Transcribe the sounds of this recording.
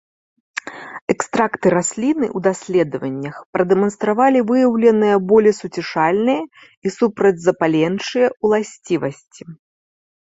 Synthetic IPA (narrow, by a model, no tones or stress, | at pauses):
ɛkst̪ɾakt̪ɨɾasʲlʲinɨ̰ʔwd̪asʲlʲɛd̪ɐvɐnʲːɐxpɾɐd̪ɛmɐnst̪ɾavalʲivɨjɐwlʲɛnɨjɐbɔlʲɛsut͡sʲɛʂalʲnɨjɐ | isupɾɐd͡zʲzɐpalʲɛnt͡ʂɨjɐulˠasʲt͡sʲivɐsʲt͡sʲi